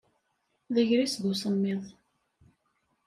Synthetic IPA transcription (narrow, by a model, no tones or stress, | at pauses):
ðəʝɾisðusˤəmːɪðˤ